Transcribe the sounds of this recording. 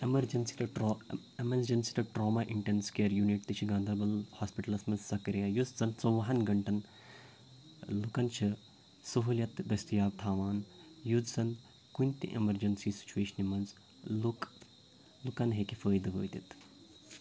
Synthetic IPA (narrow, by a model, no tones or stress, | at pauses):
emɐɾd͡ʒɐnsi̥ʈ̪ɐ | emɐɾd͡ʒɐnsi̥ʈ̪ɐʈɾoːmɐʔiɳʈenskeːɾjuniʈt̪ɨt͡ʃʰiɡãːnd̪ɐbɐlhaːspiʈɐlɐsmɐzsɐkɐɾijɐjut͡szɐnt͡soʋɐɦɐnɡɐɳʈɐn | lukɐnt͡ʃʰi | sɐɦuljɐt̪d̪ɐst̪ijaːʋt̪ʰaːʋaːnjud͡zzɐn | kunʲt̪ḭʔḛmɐɾd͡ʒɐnsiːsi̥t͡ʃuʋeːʃɐnimɐnz | luk | lukɐnɦeːkifəːjd̪ɨʋə̰ːjt̪it̪